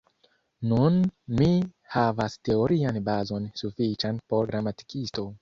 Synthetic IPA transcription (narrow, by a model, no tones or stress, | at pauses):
nunmi | havaste̞oɾianbazo̞nsufit͡ʃanpo̞ɾɡɾamati̥kisto̞